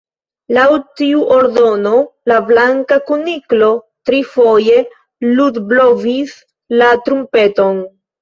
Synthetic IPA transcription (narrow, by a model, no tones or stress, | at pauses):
lawtiuʔo̞ɾdo̞nolablaŋkakuniklo̞ | tɾifo̞je̞ | ludblovis | latɾumpe̞to̞n